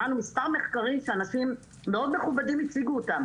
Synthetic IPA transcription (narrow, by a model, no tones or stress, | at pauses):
anumistaʁme̞χkaʁimʃeanaʃimː | eo̞d̪me̞χubadimit͡siɡuotam